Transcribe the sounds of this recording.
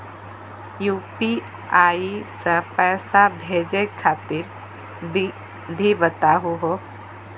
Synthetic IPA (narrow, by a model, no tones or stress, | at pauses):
juːpi | aːisəpɛːsabʱeːd͡ʒekʰaːt̪ɪɾ | bi | d̪ʱibət̪aɦuɦo